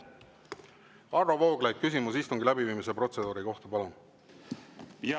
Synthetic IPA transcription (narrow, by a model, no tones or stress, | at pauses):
ɑrːovo̞ːɡ̥læjk̚kys̬imusist̪uŋɡ̥ilæbiviːmis̬e̞pro̞t̪se̞d̪uːɾiko̞ht̪ɑpɑlom